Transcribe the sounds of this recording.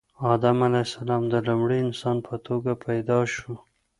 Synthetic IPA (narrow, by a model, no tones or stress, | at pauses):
ɑd̪amalajsalɑmd̪əlumɽiɪnsɑnpʰət̪ʰoɡapʰajd̪ɑʃu